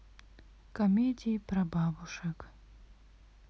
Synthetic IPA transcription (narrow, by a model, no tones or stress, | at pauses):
kɐmʲedʲijpɾɐbabuʂɐk